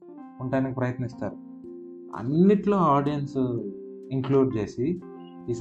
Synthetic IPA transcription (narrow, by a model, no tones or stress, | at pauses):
uɳʈaːnikipɾɐjɐt̪nist̪aːɾu | ɐ̰nːiʈloːaːɖijɐns | iŋkluːɖd͡ʒe̞ːsi | is